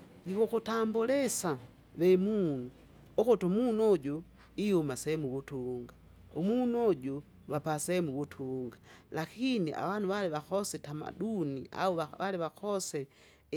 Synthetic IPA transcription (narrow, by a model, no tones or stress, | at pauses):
ɡiβokutambulɛsa | βɛmuːnu | okutomunuɔɟu | ihumasɛmuβutuŋɡa | omunuɔɟu | wapasɛmuβutʰuːŋɡalakiniʔa̰wanuwaliβaxɔsɛtama̰dunia̰uaaliβakɔsɛ